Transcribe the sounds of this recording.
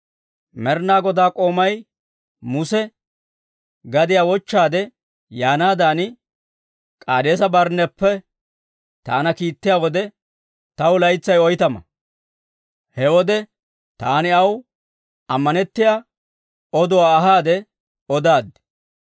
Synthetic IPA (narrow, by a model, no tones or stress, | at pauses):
mɛɾnaːɡɔd̪aːkʼo̞ːmɐj | mʊsɛ | ɡɐd̪ɪjaːwɔt͡ʃːaːd̪ɛ | jaːnaːd̪aːnɪ | kʼaːd̪e̞ːsɐbɐɾnːɛpːɛ | t̪aːnɐkiːt̪ːɪjaːwɔd̪ɛ | t̪ɐwlɐjt͡sːɐjɔjt̪ɐmɐ̰ | hɛwɔd̪ɛ | t̪aːnɪɐw | ɐmːɐnɛt̪ːɪjaː | ɔd̪ɔwaːɦaːd̪ɛ | ɔd̪aːd̪